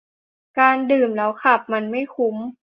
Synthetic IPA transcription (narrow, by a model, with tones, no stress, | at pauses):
kaː˧ndɯː˨˩mlɛː˦˥wkʰa˧˩p̚ma˧nma˥˩jkʰu˧˦m